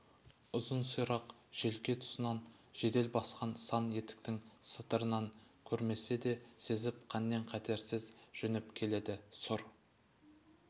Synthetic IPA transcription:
ʊzənsujɾɑqʒ̥e̞lkʲe̞t̪ʰʊ̥sənɑn | ʒ̥e̞d̪e̞lbɑsqɑnsɑnje̞t̪ɪ̥k̚t̪ɪŋsət̪əɾənɑŋkʲʰɵɾme̞se̞d̪e̞se̞zɪpqʰɑnːe̞ɴqʰɑt̪e̞ɾsɪzʒ̥ʏnɪpkʲʰe̞le̞d̪ɪsʊɾ

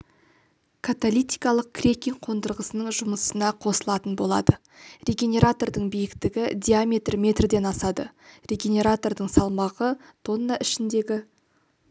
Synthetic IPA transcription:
kʰat̪olʲˠijt̪ijkɑlˠəq̚kʲʰrʲe̞kʲijŋqʰo̞nd̪əɾʁəsənəɴʒʊməsənɑqʰo̞səlˠɑt̪ənbo̞lˠɑ̰d̪ə | rʲe̞ɡʲe̞nʲe̞ɾat̪o̞rd̪əɴbijɪkt̪ɪɡʲɪd̪ʲijamʲe̞t̪rmʲe̞t̪rd̪e̞nɑsɑd̪ərʲe̞ɡʲe̞nʲe̞ɾat̪o̞rd̪əɴsɑlˠmɑʁə | t̪ʰo̞nːaʔɪʃɪnd̪e̞ɡʲɪ

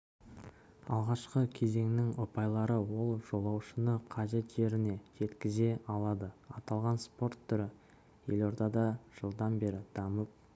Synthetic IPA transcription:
ɑ̰lˠʁɑʃqəkʲʰe̞ze̞ŋnɪŋʊpɑjlˠɑɾəwo̞lˠʒ̥o̞lˠɑwʃənəqʰɑʒe̞t̪ʒ̥e̞ɾɪne̞ʒe̞t̪kʲɪze̞ɑlˠɑd̪əɑt̪ɑlˠʁɑnspo̞rt̪ʰːʏɾɪ | je̞lo̞ɾd̪ɑd̪ɑʒ̥əlˠd̪ɑnbe̞ɾɪd̪̥ɑməp̚

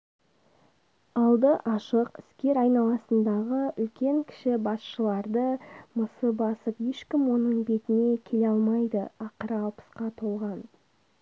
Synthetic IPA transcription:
ɑlˠd̪əʔɑʃəqɪ̥skʲe̞ɾɑjnɑlˠɑsənd̪ɑʁəʏlkʲe̞ŋkʲʰɪ̥ʃɪbɑsʃəlˠɑɾd̪əməsəbɑsəpje̞ʃkʲɪmwo̞nəɴbe̞t̪ɪne̞kʲʰe̞leɑlˠmɑjd̪əɑqəɾɑlˠpə̥sqɑt̪ʰo̞lˠʁɑn

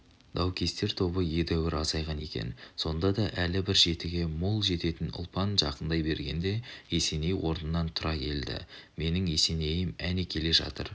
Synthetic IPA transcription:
d̪̥ɑwkʲʰe̞st̪e̞ɾt̪ʰo̞bəje̞d̪æwɪɾɑzɑjʁɑne̞kʲe̞̰nso̞nd̪ɑd̪ɑʔælɪbɪɾʒe̞t̪ɪɡʲe̞molˠʒe̞t̪e̞t̪ɪnʊ̰lˠpɑnʒɑqənd̪ɑjbe̞ɾɡʲe̞nd̪e̞e̞se̞ne̞jwo̞ɾnənːɑnt̪ʰʊɾɑkʲʰe̞̰ld̪ɪ̰me̞nɪŋe̞se̞ne̞jɪmænekʲʰe̞le̞ʒɑ̰t̪ə̰ɾ

